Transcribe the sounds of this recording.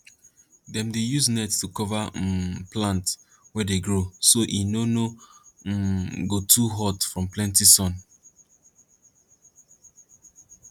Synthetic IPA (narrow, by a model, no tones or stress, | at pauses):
dɛ̃mdejusnɛtstukɔvaplãnt | wɛdeɡɹosoʔinono | ɡotʰuɦɔtfɹɔ̃mplɛ̃ntisɔ̃n